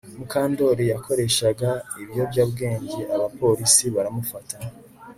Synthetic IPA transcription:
mukaːndo̞ɾijako̞ɾe̞ʃaɡaiβijo̞bɟaːbɡe̞ːɲɟe̞ʔaβapo̞ɾisiβaɾamufata

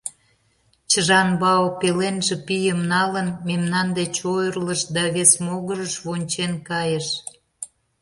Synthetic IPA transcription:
t͡ɕəʒɑnbɑopelenʒĕpijəmnɑlənmemnɑnd̪et͡ɕojərləʃd̪ɑβesmoɣəɾəʃβonʲt͡ɕenkɑjəʃ

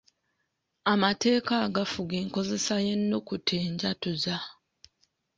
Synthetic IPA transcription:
amate̞ːkaːɡafuɡeːŋko̞ze̞saje̞nːokutʰeːɲɟatuza

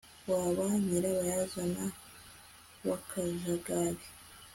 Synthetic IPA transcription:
waβaɲiɾaβajazana | βakʰazaɡaβi

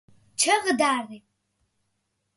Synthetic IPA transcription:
t͡ʃʰɐʁədaːri

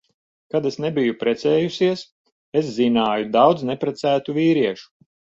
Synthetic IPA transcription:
kad̪esnebijupɾɛt̪sɛːjusiɛs | es̬zinaːjud̪awd̪znepɾɛt̪sæːt̪uviːɾiɛʃu̥

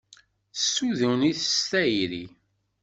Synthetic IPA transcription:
θəsːuðuwniθəst̪æjɾi

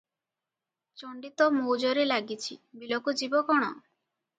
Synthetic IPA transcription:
t͡ʃɔɳɖit̪ɔmowd͡ʒɔɾelaɡit͡ʃʰibilokud͡ʒibɔkɔɽ̃ɔ

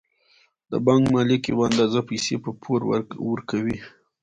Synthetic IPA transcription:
d̪ə̰bɑŋkmɑlikewand̪azapajsepəpʰoɾ̰wəɾkawi

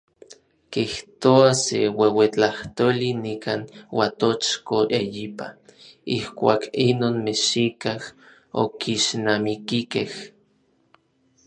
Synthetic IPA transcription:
kiht̪oasewewet͡ɬaht̪oːlinikaːnwat̪ot͡ʃkoʔejipa̰ihkʷaːkinoːnmeʃikah | o̰kiʃnamikikeh

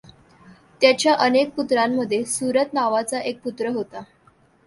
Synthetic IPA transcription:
t̪jat͡ɕjaʔənek̚put̪ɾamːəd̪ʱːjesuɾət̪naʋat͡saʔek̚put̪ɾəɦot̪a

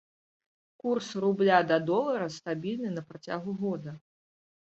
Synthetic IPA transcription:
kursrublʲad̪ɐd̪ɔlˠɐɾɐst̪abʲilʲnɨnɐpɾat͡sʲa̰ɣuɣɔd̪ɐ

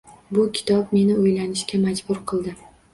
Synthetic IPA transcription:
bʊkʲʰɪ̥t̪ʰɒp̚me̞nɪojlanɪʃkʲamad͡ʒbʊɾqʰɨlˠd̪ɪ

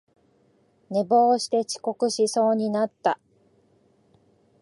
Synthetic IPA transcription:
ne̞bo̞ːɕi̥t̪e̞t͡ɕi̥ko̞kɯ̟ɕiso̞ːɲ̟inat̪ːa

